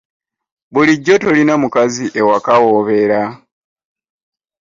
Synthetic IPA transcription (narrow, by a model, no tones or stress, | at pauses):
βuliɟːo̞to̞linamukaziʔe̞wakawoβe̞ɾa